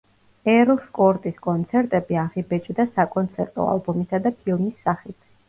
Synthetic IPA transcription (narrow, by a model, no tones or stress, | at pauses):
ɛɾlˠskʼɔɾt̪ʼiskʼɔnt̪sʰɛɾt̪ʼɛbiaʁibɛt͡ʃʼd̪asakʼɔnt̪sʰɛɾt̪ʼɔ̰a̰lˠbɔmisad̪apʰilˠmisːaχit̪ʰ